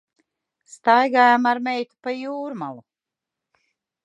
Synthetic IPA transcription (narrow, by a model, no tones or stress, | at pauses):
st̪ajɡaːjamaɾmɛjt̪u̥pajuːɾmalˠu